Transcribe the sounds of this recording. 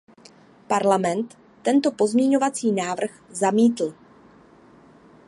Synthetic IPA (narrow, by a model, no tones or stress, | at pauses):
paɾlamɛnt̪ː | ɛnt̪o̞po̞zmɲɛɲo̞vat͡siːnaːvr̩xzamiːt̪l̩